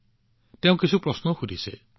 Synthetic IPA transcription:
teʊ̃kisʰupɾɔsnɔxudʱise

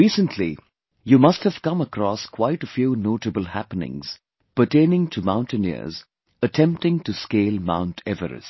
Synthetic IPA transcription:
iːsə̃ntʰli | jumʌsthəv̥kʌ̃məkɾɔskʰwaɪʈəfjuːnoːʈəbəlhæpənɪ̰̃ŋz̥ | pəʈẽɪnɪ̃ŋʈʰumãʊ̃nʈɨnɪ̰z | əʈʰɛ̃mp̚ʈɪ̃ŋʈuskeːlmã̰ʊ̃ntʰɛvə̰ɾɨ̰s

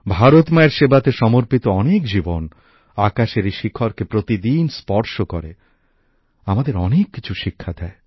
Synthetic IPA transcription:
bʱaɾot̪maeɾʃebat̪eʃɔmoɾpit̪oɔnekd͡ʑibon | akaʃeɾeʃikʰːoɾkepɾot̪id̪inspɔɾʃokɔɾḛ | amad̪eɾɔnekːit͡ɕʰuʃikʰːad̪ɛe

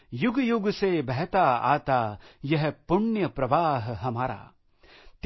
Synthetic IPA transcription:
juɡjuɡsebɛɦt̪aa̰ːt̪aːjɐɦpʊɳjɐpɾɐʋaːɦɦɐmaːɾa̰ː | t̪

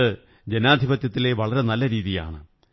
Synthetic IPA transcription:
ɨ | d͡ʑenaːd̪ʱibɐt̪jɐt̪ːile̞ʋɐɭɐɾe̞nɐlːɐɾiːðija̰ːɳɨ̰

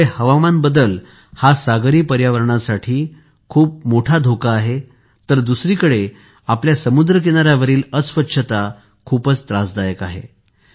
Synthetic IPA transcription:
ehəʋamanbəd̪əl | hasaɡɾiːpəɾjaʋəɾɳasaʈʰiː | kʰuːp̚moʈʰad̪ʱokaːɦe | t̪əɾd̪usɾiːkəɽe | apljasəmud̪ɾəkeñaɾjaʋəɾiːləsʋətːɕʰət̪a | kʰuːpət͡st̪ɾasd̪ajəkaɦḛ

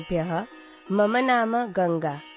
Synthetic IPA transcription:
bʱjɐɦɐ | mɐmɐnaːmɐɡɐŋɡaː

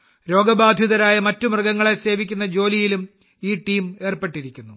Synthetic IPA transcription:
ɾo̞ːɡɐbaːd̪ʱjiðɐɾaːjɐmɐtːumrɐɡɐŋːɐɭese̞ːʋikʲːunːɐd͡ʑo̞ːlijilum | iːʈiːme̞ːrpe̞ʈːiɾikʲːunːu

